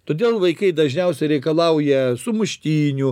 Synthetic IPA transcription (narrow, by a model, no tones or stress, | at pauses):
t̪oːd̪ʲeːlˠʋɐɪkɐɪd̪ɐʒʲnʲɛʊsʲɛɪɾʲɛɪkɐlˠɐʊjɛsʊmʊʃʲt̪ʲiːnʲʊ